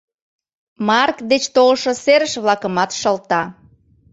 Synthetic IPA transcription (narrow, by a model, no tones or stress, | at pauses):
mɑrkd̪et͡ɕt̪olʃoseɾəʃβlɑkəmɑt̪ʃəlt̪ɑ